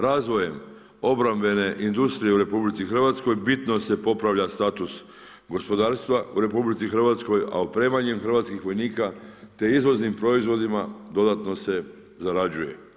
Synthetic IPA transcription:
ɾaːzʋo̞je̞m | o̞bɾambe̞ne̞ʔind̪ust̪ɾijeuɾe̞publit̪sixr̩ʋat̪sko̞jbit̪no̞se̞po̞pɾaʋʎast̪aːt̪us | ɡo̞spo̞d̪aːɾst̪ʋauɾe̞publit̪sixr̩ʋat̪sko̞ja̰opɾeːmaɲemxr̩ʋat̪skixʋo̞jniːkat̪e̞izʋo̞znimpɾo̞izʋo̞d̪imad̪o̞d̪at̪no̞se̞ | zaɾad͡ʑujḛ

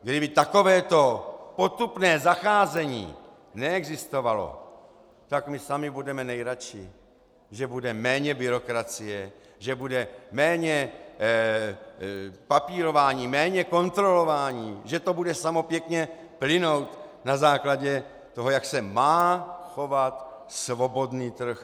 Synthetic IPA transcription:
ɡdɪbɪt̪ako̞vɛːt̪o̞po̞t̪upnɛːzaxaːzɛɲḭː | nɛɛɡzɪst̪o̞valo̞̰ | t̪akmɪsamɪbudɛmɛnɛjɾat͡ʃɪ̰ | ʒɛbudɛmɛːɲɛbɪɾo̞kɾat͡sɪjɛ | ʒɛbudɛmɛːɲɛ | papiːɾo̞vaːɲiːmɛːɲɛko̞nt̪ɾo̞lo̞vaːɲiːʒɛt̪o̞budɛsamo̞pjɛkɲɛ | plɪno̞wt̪nazaːklaɟɛ | t̪o̞ɦo̞jaksɛmaːxo̞vat̪svo̞bo̞dniːt̪r̩x

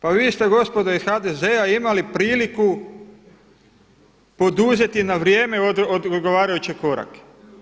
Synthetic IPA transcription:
paʋiːst̪e̞ɡo̞spo̞d̪oisxad̪eze̞aimalipɾiːliku | po̞d̪uze̞t̪inaʋɾje̞ːme̞od̪od̪d̪ɡo̞ʋaːɾajut͡ɕeko̞ɾa̰ke̥

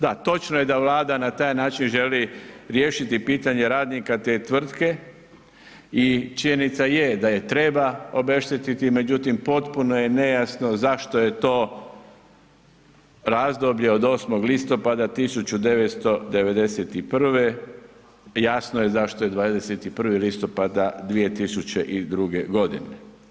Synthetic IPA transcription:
d̪at̪o̞t͡ʃnoje̞d̪aʋlˠaːd̪anat̪aːjnaːt͡ʃinʒe̞liɾjeːʃit̪ipiːt̪aɲe̞ɾaːd̪nikat̪e̞ːt̪ʋr̩t̪ke̞ | it͡ʃiɲenit̪sajed̪aje̞t̪ɾe̞bao̞be̞ʃt̪et̪it̪ime̞d͡ʑut̪impo̞t̪puno̞jene̞jasno̞zaʃt̪oje̞t̪o̞ː | ɾazd̪obʎe̞o̞d̪oːsmo̞ɡlist̪o̞pad̪at̪isut͡ɕud̪e̞ʋet̪st̪o̞d̪e̞ʋe̞d̪e̞set̪ipr̩ʋe | jasnoje̞zaʃt̪oje̞d̪ʋad̪eset̪ipr̩ʋilist̪o̞pad̪ad̪ʋije̞t̪isut͡ɕe̞ʔid̪ɾuɡe̞ɡo̞d̪ḭne

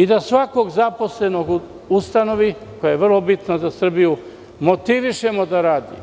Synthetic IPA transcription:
id̪asʋako̞ɡzapo̞sle̞no̞ɡ | ust̪ano̞ʋiko̞jajeʋr̩lo̞bit̪nazasr̩biju | mo̞t̪iʋiʃe̞mo̞d̪aɾaːd̪ḭ

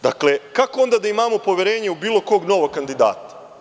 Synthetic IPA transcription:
d̪a̰kle̞kako̞o̞nd̪ad̪aimamo̞po̞ʋʲjeɾeːɲeubiːlˠo̞ko̞ːɡno̞ʋoɡkand̪id̪a̰ːt̪ḁ

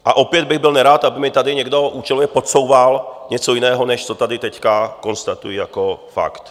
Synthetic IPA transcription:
ʔaʔɔpɪɛd̪bɪɣbɪlɲɛɾaːt̪abɪmɪt̪ad̪ɪɲɛɡd̪ɔʔuːt͡ʃɛlɔjɛpɔt͡sɔʊʋalɲɛt͡sɔinɛːɦɔnɛʃt͡sɔt̪ad̪it̪ɛckakɔnst̪at̪ujijakɔfa̰kt̪

